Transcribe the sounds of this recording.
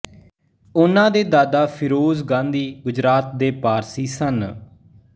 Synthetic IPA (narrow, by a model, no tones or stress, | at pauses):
ʊnãːd̪eːd̪aːd̪aːpʰɪɾoːzɡãːnd̪iːɡʊd͡ʒɾaːt̪̚d̪eːpaːɾsiːsən